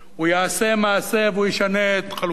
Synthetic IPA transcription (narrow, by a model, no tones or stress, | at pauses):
ujaase̞maːse̞veujiʃaneːt̪χal